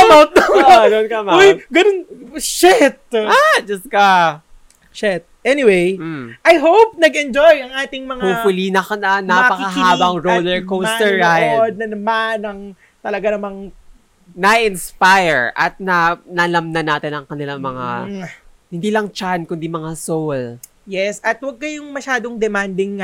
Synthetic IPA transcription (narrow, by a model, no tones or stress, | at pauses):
ɐmaw̪̚d̪ononkɐmojɡɐnonʃɛt̪̚ad͡ʒɐst̪̚kɐ | ʃɛt̪̚ʔɛnɪwejʔɐjɦowp̚nɐɡɛnd͡ʒojɐŋʔaːt̪ɪŋmɐŋhofʊlinɐɐɐnapɐkɐɦaːbɐŋɾod̪ɛɹkowsɛɹajd̪̚nɐnɐmanɐŋ | t̪ɐlɐɡanɐmaŋ | nɐʔɪnspajɹʔɐ̰t̪̚nɐnɐlɐmnɐnaːt̪ɪnɐŋkɐnɪlaŋmɐŋa̰ | hɪnd̪iːlɐŋt͡ʃankʊnd̪imɐŋasowl | jɛsɐt̪wɐɡ̚kɐjʊŋmɐʃaːd̪oŋd̪ɛmand̪ɪŋːɐ